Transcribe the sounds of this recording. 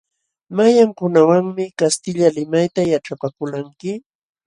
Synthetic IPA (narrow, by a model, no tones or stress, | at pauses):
majaŋkʊnawaŋmɪkast̪ɪʎalɪmajt̪ajaʈ͡ʂapakʊlaŋkɪ